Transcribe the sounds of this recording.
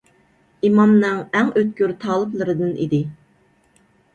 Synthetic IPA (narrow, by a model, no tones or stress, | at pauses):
imɑmnɨŋæŋøt̪̚kʲyɾt̪ʰɑːlˠɨplˠɨɾɨd̪ɨnʔḭd̪ɪ